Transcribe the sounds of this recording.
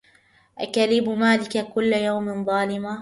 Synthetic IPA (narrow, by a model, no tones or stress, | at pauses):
ʔakalɪbʊmaːlɪkakʊlːajawmɪnðˤɑːlɪma